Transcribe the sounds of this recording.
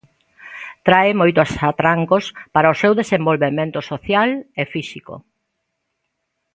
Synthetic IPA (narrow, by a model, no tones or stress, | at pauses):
t̪ɾaɪmojt̪ʊasat̪ɾaŋkospaɾɐʊsewðesembolβemẽnt̪ʊsoθjalefisiko̰